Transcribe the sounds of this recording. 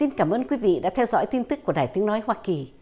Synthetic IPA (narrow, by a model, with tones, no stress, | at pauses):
i˧nkaː˧˩mʔəː˧nkwi˨˦vḭ˧˨ɗa̰ː˧˥t̪ʰɛ˧wzɔ̰˧˥jt̪i˧nt̪ɨ˦˥k̚ːu˧˩əɗaː˨˩jt̪ɨ˨˦əŋnɔ˨˦jhwaː˧ki˨˩